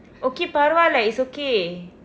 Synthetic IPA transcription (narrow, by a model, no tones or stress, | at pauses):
okepaɾalaisoke